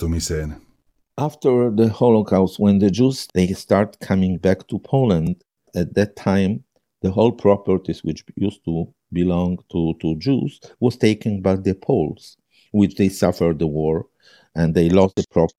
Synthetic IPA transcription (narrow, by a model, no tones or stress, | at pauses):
t̪omisɛn | ʔaft̪ə˞ðəhɔlokʰaʊst̚wɛ̃nðəd͡ʒuzðeɪst̪aɹtkʰamɪ̃ŋbækt̪ʰupʰoʊlə̃nd | æt̪̚ðɨtʰãɪ̃m | ðəɦolpʰɹɔpəɹt̪izwɪt͡ʃjust̪u | bilɔ̃ŋt̪ʰutud͡ʒuzwɔz̥t̪eɪkɨ̃nbaɪðəpʰols | wɪt͡ʃd̪eɪsafə˞d̪ðəwɔɹ | ʔɛ̃nd̪eɪlɔsðəpʰɹɔp